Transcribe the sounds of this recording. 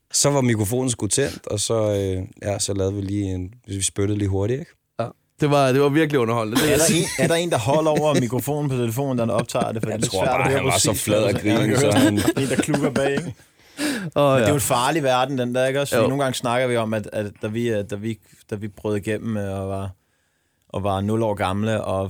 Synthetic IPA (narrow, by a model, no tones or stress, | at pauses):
sɒ̽ʋɑ̈mikʰʁofo̝̰ːn̩sɡ̥ut͡sʰen̰d̥ɒ̽sɒ̽øjæsɒ̽lɛːð̞̩ˠʋiliːenʋe̝sʋisb̥øɾ̥ð̩ˠlḭːɦo̝ɐɾieɡ̥ | d̥e̝ʋɑ̈d̥e̝ʋɑ̈ʋiɐɡ̥liɔ̽nɐhɒ̽l̰n̩əd̥eæɐɾɑe̝næɐɾɑ̈e̝ːnd̥ɑ̈ɦɒl̰ɒʊ̰ɐmikʰʁofo̝̰ːn̩pʰɒ̽t͡sʰe̝ləfo̝̰ːn̩d̥ɑɒ̽b̥̚t͡sʰɑ̰̈ːd̥e̝fɒd̥iḭd̥e̥sæɐ̰dɒhøːɐpʰssɒflɛð̰ˠæɡ̥ʁiː | e̝ːnd̥ɑ̈kʰluɡ̥ɐb̥ɛ̰̥ː | eʊnfɑ̈ːliʋæɐd̥n̩d̥end̥æɐe̝ɡ̥ɒ̽soːn̩ɡɑ̈ŋsnɑ̈ɡ̥əðˠʋiɒ̽mæd̥æ̥d̥æʋid̥æʋi | d̥æʋib̥ʁœːð̩ˠɡ̥em̰m̩ɒʋɑ̈ | ʔɒ̽ʋɑ̈nɔ̽lɒ̰ːɡ̥ɑ̈mləʔɒ̽